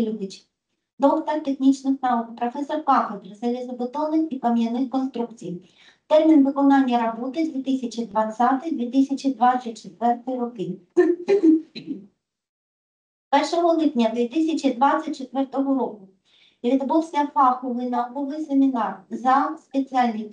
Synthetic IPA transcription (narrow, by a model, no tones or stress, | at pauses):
lʲud̪ɪt͡ʃ | d̪ɔkt̪ɔrt̪exnʲit͡ʃnɪxnɑukpɾɔfɛsɔrkɑxɐd̪ɾɪzɛlʲizɐbɔt̪ɔnɪnikɐmʲjɐnɪxkɔnst̪ɾukt͡sʲij | t̪ɛrmʲinʋɪkɔnɑnʲːɐɾɔbɔt̪ɪd̪ʋʲit̪ɪsʲɐt͡ʃid̪ʋɐt͡sʲat̪ɪjd̪ʲʋʲit̪ɪsʲɐt͡ʃid̪ʋɑt͡sʲɐt̚ʲt͡ʃet̪ʋɛrt̪ɪɾɔkɪ | pɛrʃɔɦɔlˠɪpnʲɐd̪ʋʲit̪ɪsʲɐt͡ʃid̪ʋɑt͡sʲːɐt̚ʲt͡ʃet̪ʋɛrt̪ɔɦɔɾɔkʊ | ʋʲid̪buwsʲɐfɑxɔʋɪjnɐkɔʋɪjsemʲinɑrzɐspet͡sʲialʲnɪj